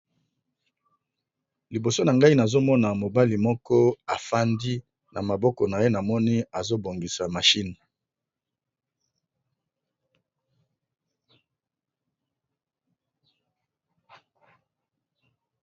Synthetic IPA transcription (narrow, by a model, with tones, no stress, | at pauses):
li˨bo˨so˦na˨ŋɡa˦i˦na˨zo˦mɔ˦na˨mo˨ba˦li˨mɔ˦kɔ˦a˨fa˦ndi˦ | na˨ma˨bɔ˦kɔ˨na˨je˦na˨mɔ˦ni˦a˨zo˦bo˨ŋɡi˨sa˨ma˨ʃi˦n˨